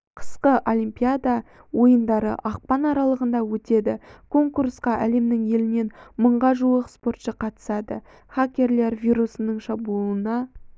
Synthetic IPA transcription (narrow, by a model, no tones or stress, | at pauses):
qʰə̥sqəʔo̞lʲˠijmpʲijad̪a | wo̞jənd̪ɑɾə̰ʔɑq̚pɑnɑɾɑlˠəʁənd̪ɑwɵt̪e̞d̪ɪkʰo̞ŋkursqɑʔæle̞mnɪŋje̞lɪne̞nməɴʁɑʒuwəqspo̞rt̪ʃəqʰɑt̪ə̥sɑd̪ə̰ | χakʲːe̞ɾle̞ɾvʲijɾusənəɴʃɑbuənɑ